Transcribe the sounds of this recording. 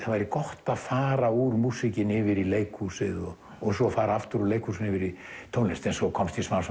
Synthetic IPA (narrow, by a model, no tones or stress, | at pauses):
θavajɾɪkɔht̪aðfaːɾauɾmuːsɪcɪnɪvɪɾileːjkʰusɪðɔ | ɔɣsɔfaːɾaaft̪ʏɾuleːjkʰusɪnɪvɪɾit̪ʰownɛst̪ɛnsɔkʰɔmst̪ʰismaws